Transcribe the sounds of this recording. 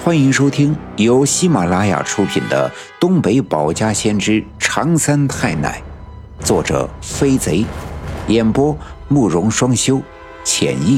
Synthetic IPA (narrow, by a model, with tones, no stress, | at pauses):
xwa˥ni˧˥ŋʂo˥ʊt̪ʰi˥ŋ | jo˧˥ʊɕi˥ma˨˩la˥ja̰˨˩ʈ͡ʂʰu˧˥pʰḭ˨˩nd̪ə̰˦ | t̪ʊ˥ŋpe˧˥ɪpɑ˨˩ʊt͡ɕja˥ɕjɛ˥nʈ͡ʂɻ̩˥ʈ͡ʂʰɑ˧˥ŋsa˥nt̪ʰa˥˩ɪna̰˥˩˦ɪ | t͡swɔ˥˩ʈ͡ʂɤ̰˩fe˥ɪt͡se˧˥ɪjɛ˨˩npwɔ˥mu˥˩ɻʊ˧˥ŋʂwɑ˥ŋɕjo˥ʊ | t͡ɕʰjɛ̰˨˩ni˥˩